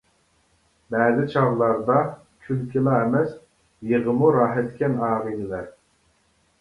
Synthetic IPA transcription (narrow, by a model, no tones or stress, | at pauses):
bɛːzɪt͡ʃʰɑʁlˠɑɾd̪ɑ | kʲʰylkʲʰilˠɑɛmɛs | jeʁəmuɾɑːɦɛt̪kʲɛnɑːʁəd̪ɪlæɾ